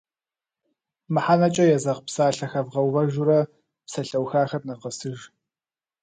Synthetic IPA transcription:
mɨħanɐt͡ʃʼɐjɛzɐʁpsaːɬɐxɐvʁɐwvɐʒʊɾɐ | psɐɬɐwxaːxɐrnɨqəsɨʒ

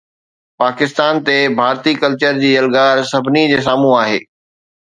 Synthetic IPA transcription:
paːkɪst̪aːnt̪ebʱaːɾt̪ikɐlt͡ɕəɾd͡ʑiːɐlɡaːɾsɐbʱɪnid͡ʑeːs̬aːmũaːɦeː

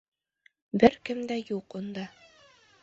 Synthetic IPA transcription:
bɘɾkɘmd̪æjuqund̪ɑ

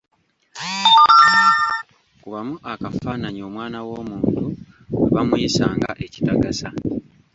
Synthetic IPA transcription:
a | a | kuβamuʔakafaːnaɲio̞ːmwaːnawo̞ːmuːntu | ḛβamwisaːŋɡa̰ʔe̞ci̥taɡasa

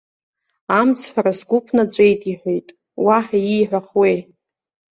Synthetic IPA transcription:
amt͡sʰħʷᶣaɾasɡʷʊpʰnad͡zʷʼe̞jtʼiħʷᶣejtʼ | waħaiːħʷᶣaχwej

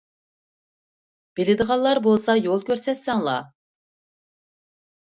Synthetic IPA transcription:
b̥ɪlɪd̪əʁɑllˠːɑɾbolˠsɑjolˠkʲʰøɾsɛt̪sɛŋlˠɑ̰

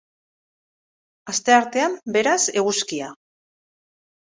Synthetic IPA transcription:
ast̪e̞aɾt̪e̞ambe̞ɾase̞ɣ̞uskia

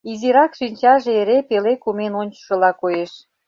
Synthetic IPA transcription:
iziɾɑkʃinʲt͡ɕɑʒeeɾepelekumenonʲt͡ɕə̥ʃə̆lɑkojeʃ

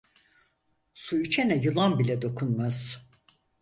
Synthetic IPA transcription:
sujyt͡ʃʰenɛjɯlˠambilʲɛd̪o̞kʰunmaz̥

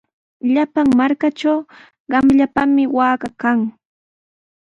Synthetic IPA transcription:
ʎapaŋmaɾkaʈ͡ʂaw | ɢɑmʎapamɪwaːɢɑkaŋ

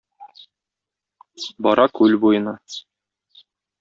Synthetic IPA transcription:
bɒɾɑkʉlbujɤ̆nɑ

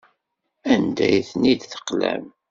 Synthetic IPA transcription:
ænd̪æjθnid̪θə̥qlæ̰m

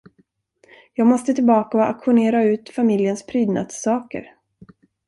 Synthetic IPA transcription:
jɑːɡmɔst̪ət̪ʰɪlbɑːkaɔa̰kɧʊneːɾaʉ̟ːt̪famɪljənspʰɾyːd̪na̰d̪sːɑːkə̰ɾ

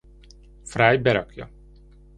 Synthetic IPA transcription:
fɾajbɛɾɔkjɔ̰

